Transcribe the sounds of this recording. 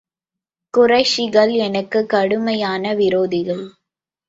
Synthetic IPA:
kʊrɐɪʂɪɣɐɭɛnɐkːɯkːɐɽɯmɐjaːnɐʋɪɾoːðɪɣɐɭ

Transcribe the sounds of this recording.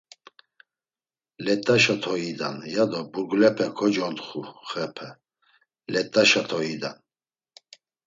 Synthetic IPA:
lɛt̪ʼːaʃat̪ʰɔid̪a̰njad̪ɔbuɡlɛpʰɛkʰɔd͡ʒɔnt̪χuχɛpʰɛ | lɛt̪ʼaʃat̪ʰɔid̪a̰n

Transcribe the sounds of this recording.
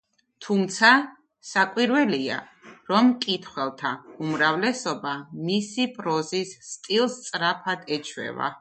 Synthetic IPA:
t̪ʰumt̪sʰa | sakʼwiɾwɛlia̰ɾɔmkʼit̪ʰχwɛlˠt̪ʰaumɾavlɛsɔbamisipʼɾɔzisːt̪ʼilˠst̪sʼɾapʰad̪ɛt͡ʃʰwɛ̰va̰

